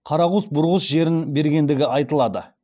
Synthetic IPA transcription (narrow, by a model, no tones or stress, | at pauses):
qʰɑɾɑʁʊsbʊɾʁəsʒe̞ɾɪnbe̞ɾɡʲe̞nd̪ɪɡʲɪɑjt̪əlˠɑd̪ə̰